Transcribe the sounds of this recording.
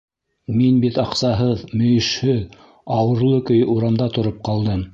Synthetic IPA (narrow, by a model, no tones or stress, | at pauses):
minbit̪ɑqsɑɦɤðmɵ̆jɘ̆ʃhɵð | ɑwɤ̆ɾlˠɤkɵ̆juɾɑmd̪ɑt̪ŏɾop̚qɑlˠd̪ɤm